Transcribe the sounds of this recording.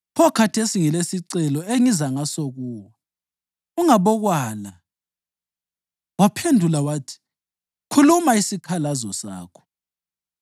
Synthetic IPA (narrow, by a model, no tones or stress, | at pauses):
pʰɔkʰatʰesiŋilesiǀɛlɔeŋizaŋasoɣuːwɔ | uŋaβɔɣwaːla | wapʰendʱulawaːtʰi̥ | kʰulumaisikʰalazɔsa̰ːkʰɔ̥